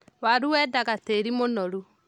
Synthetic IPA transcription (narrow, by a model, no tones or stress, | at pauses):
waɾuwɛdaɣateɾimonɔɾu